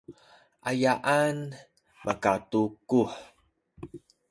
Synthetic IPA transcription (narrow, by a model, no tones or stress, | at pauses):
ʔajaʔan | makatukuħ